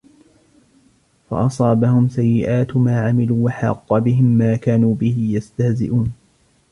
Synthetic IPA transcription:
fa̰ʔɑsˤɑːbahʊmsajːɪʔaːt̪maːʕamɪluːwaħɑ̰qːɑbɪɦɪmːaːkaːnuːbɪhɪjast̪ahzɪ̰ʔuːn

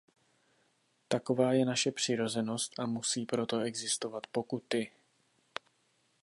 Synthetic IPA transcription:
t̪ako̞vaːjɛnaʃɛpr̝̥ɪɾo̞zɛno̞st̪ʔamusiːpɾo̞t̪o̞ɛɡzɪst̪o̞vat̪po̞kut̪ɪ

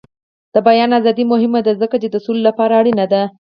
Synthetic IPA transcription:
d̪̥əbajɑnazɑd̪imʊɦɪmad̪azəkat͡ʃed̪əsullːapɑɾaːɽinad̪a

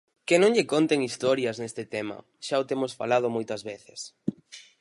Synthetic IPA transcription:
kɪnõŋʎɪkont̪eŋist̪ɔɾjɐznest̪ɪt̪emɐ̰ | ʃaot̪emosfa̰lað̞ʊmojt̪ɐzβeθɪs

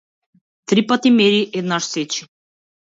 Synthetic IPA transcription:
t̪ɾipat̪ʲimeɾʲiʔed̪naʃset͡ɕi̥

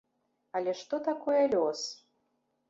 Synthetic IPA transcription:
alʲɛʂt̪ɔt̪akɔjɐlʲɔs

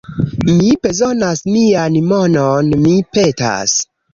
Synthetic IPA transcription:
mibezonasmianmononmipeta̰s

